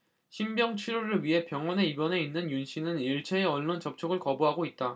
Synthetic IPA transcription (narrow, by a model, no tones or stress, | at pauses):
çʰimbjʌŋt͡ɕʰɥiɾoɾɯɭɥiɦe̞pjʌŋwʌne̞ibʌne̞inːɯnjunɕʰinɯniɭt͡ɕʰeːʌɭːont͡ɕʌp̚t͡ɕʰoɡɯɭkʌbuɦaɡoit̚t͈a